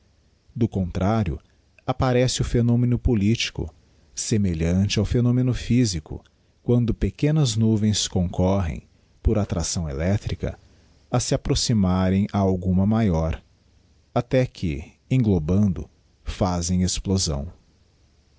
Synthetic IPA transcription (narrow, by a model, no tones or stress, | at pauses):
d̪ʊkõnt̪ɾʔaɾjʊ̰ | apaɾɛsɪʊfenõmenʊpolit͡ʃi̥kʊ̰ | semeʎɐ̃nt͡ʃɪawfenõmẽnʊfizikʊ̰ | kwɐ̃nd̪ʊpekẽnɐznuvẽj̃skõŋkʰɔɦḛ̃j̃ | poɾat̪ɾasɐ̃w̃elɛt̪ɾikɐ̰ | ɐsɪapɾosimaɾẽj̃aawɡũmɐmajɔɾ | at̪ɛkʰɪ̰ | ẽɡlobɐ̃nd̪ʊ̰ | fazẽj̃esplozɐ̰̃w̃